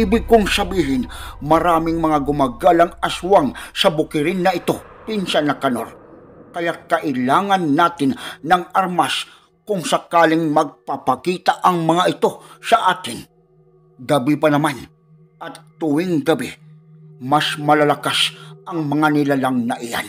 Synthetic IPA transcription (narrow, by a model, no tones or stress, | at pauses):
iːbɪkʊŋsɐbiːɦɪnmɐɾaːmɪŋmɐŋaɡʊmaːɡalɐŋɐswaŋsɐbʊkɪɾɪnːɐɪt̪o̞ | pinsanɐkɐno̰ɾ | kɐjakɐʔɪlaːŋanːaːt̪ɪnːɐŋaɾmas | kʊŋsɐkaːlɪŋmɐɡ̚pɐpɐkiːt̪aʔɐŋmɐŋaʔɪt̪o̞sɐʔaːkɪn | ɡɐbɪpɐnɐman | ʔɐt̪ːʊwɪŋɡɐbɪ | masmɐlɐlɐkasɐŋmɐŋanɪlalaŋnɐʔɪja̰n